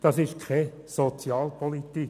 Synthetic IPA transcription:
d̥ɑsɪʃkʰɛ | sot͡sjɑːlpʰolit̪ik

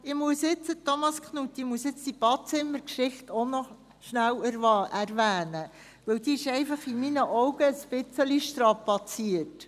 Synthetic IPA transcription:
ɪmuəsjɪt͡sətɔmɑskχnut̪ːimuəsjɪt͡st̪ib̥ɑːt̚t͡sɪmːəɾkʃɪχtʰonɔ | ʃnæwæɾvɑʔæɾvæːnə | ʋɵwd̥̪iɪʃɛɪfɑχɪminəʔɔwɡəːspɪt͡səliʃtɾɑpɑt͡siət

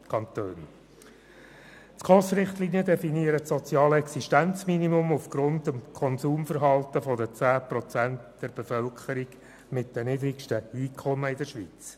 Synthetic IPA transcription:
kʰɑnt̪øːn | t͡skʰɔsɾɪχtliːnijədɛfiniəɾətsɔt͡sjɑːləɛksiʃtænt͡sminimʊmʊfɡ̥ɾʊndəmkʰɔnsuːmfəɾɦɑltəfɔdət͡sæːpɾɔt͡sæntd̥ɛɾb̥efœlkχəɾiɡ | mɪt̚d̥ɛniːdɾikʃtəiːkʰɔməɪdəʃʋḭːt͡s

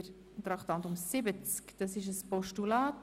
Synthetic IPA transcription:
ɾ | t̪ɾɑkt̪ɑnt̪ʊmsɪbət͡skd̥ɑsɪʃəspɔʃtulaːt

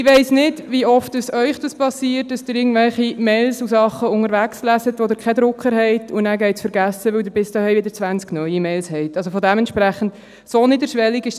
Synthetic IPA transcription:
ɪʋɛɪsnɪdʋiɔftdəsœʏχd̥ɑspɑsiːəɾtd̥ɑsd̥ɪɾɪɡŋ̩n̩d̪vɛlχimɛɪlsusɑχːəʊŋəɾvækslæsətʋod̪əɾkʰɛd̪ɾʊkχəɾhɛɪtʰʊnæːɡɛɪtsfəɾɡæsəʋɪwdəɾbɪst̪ɑhœɪʋɪdəɾt͡sʋænt͡sknœʏimɛɪlshɛɪtɑls̬ofɔdɛmɛntʃpɾæχːn̩t | soːnɪdəɾʃʋɛliɡɪʃ

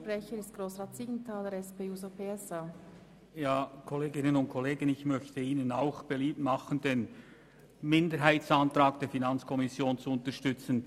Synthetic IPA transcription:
pʁɛçəɾɪstɡ̥ɾoːsʁaːtsiːɡn̩tʰaːləɾɛspeːuːzopʰeɛsa | jaːkʰɔleːɡɪnənʊnt̚kʰɔleːɡən̩ɪçmœçtəiːnənaʊxb̥eliːp̚tmɑχən̩d̥eːn | mɪndəɾɦaɪtsantɾaːk̚d̥eːɐfinant͡skʰɔmɪsjoːnt͡suʊntəʃtʏt͡sn̩

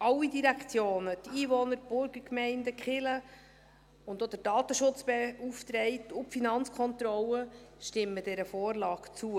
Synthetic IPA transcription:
ʔɑlːidiɾækt͡sjoːnətiːʋɔnəɾb̥ʊɾɡəɾkmɛɪndəkχɪlə | ʊnd̪od̥əɾdɑːt̪əʃʊt͡sb̥euft̪ɾɛɪtʊpfinɑnt͡skʰɔnt̪rɔləʃtɪmːəd̥ɛɾəfoːrlɑːɡ̥t͡suə

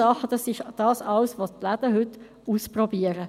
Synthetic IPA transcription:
ɑχəd̥̪ɑsɪʃd̥ɑːsɑwsʋot̪læd̥̪əɦʏt̪ | uːsprɔbiəɾə

